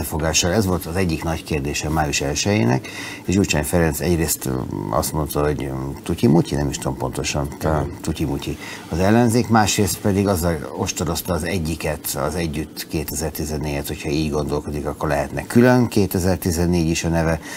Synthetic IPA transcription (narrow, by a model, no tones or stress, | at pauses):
ɛfo̞ɡaːʃːɒlɛzʋo̞lt̪ɒzɛɟːiknɒckeːrd̪eːʃɛmaːjuʃɛlʃɛjḛːnɛ̰k | eːʃjuːt͡ʃa̰ːnfɛɾɛnt̪sɛ̰ɟreːst̪ɒ̰st̪mo̞nt̪ɒɦo̞ɟt̪ucimucḭnɛmiʃt̪o̞mpo̞nt̪o̞ʃɒnt̪t̪ucimuciɒzɛlːɛnzeːkmaːʃreːst̪pɛd̪iɡɒzːɛlo̞ʃt̪oɾo̞st̪ɒːzɛɟːikɛt̪ɒ̰zɛɟːyt̪ːkeːt̪ɛzɛrt̪izɛnːeːɟɛt̪ho̞cʰhɒiːɟɡo̞nd̪o̞lko̞d̪ikɒkːo̞rlɛɦɛt̪nɛkylønkeːt̪ɛzɛrt̪izɛnːeːɟiʃɒnɛvɛ